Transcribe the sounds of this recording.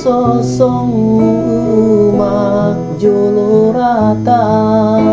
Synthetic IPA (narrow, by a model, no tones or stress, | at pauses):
sɔsɔŋuma | d͡ʒoloɾat̪a